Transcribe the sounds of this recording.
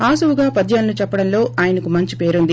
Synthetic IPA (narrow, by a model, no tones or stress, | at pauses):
aːsuʋuɡaːpɐd̪jaːlnut͡ʃɛpːɐɽɐnlo̞ːʔaːjɐnɐkumɐɲt͡ʃipe̞ːɾund̪i